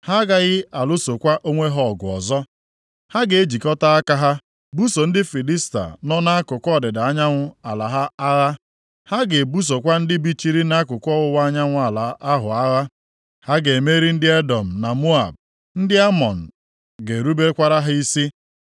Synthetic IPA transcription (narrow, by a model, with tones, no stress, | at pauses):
ha˦ɡa˦ɣɪ˦a˨lʊ˦so˨kʷa˦ʔo˦ŋʷe˦ɦɔ˦˨ɡʊ˨ɔ̰˨zɔ˦ | ha˦ɡe˨e˦d͡ʒi˨kɔ˦ta˦a˦ka˦ɦa˦ | bu˦so˨n̩˦dɪ˦fi˨li˦sta̰˨nɔ˦na˦kʊ˨kʷɔ˦˨dɪ˨da˨a˦ɲa˦ŋʷʊ˦a˨la˨ɦa˦a˦ɣa˦ | ha˦ɡe˨bu˦s̬o˨kʷa˦n̩˦dɪ˦bi˦t͡ʃi˦ɾi˦na˦kʊ˨kʷɔ˦ɣʊ˦wa˦ɲa˦ŋʷʊ˦a˨la˨a˦ɦʊ˨a˦ɣa˦ | ha˦ɡe˨e˨me˦ɾi˦n̩˦dɪ˦e˦dɔ˨m̩˨na˨mu˦a̰˨b̚ | n̩˦dɪ˦a˦mɔ˨n̩˨ | ɡe˨ɾu˦be˦kʷa˦ɾa˦ɦa˦i˦si˦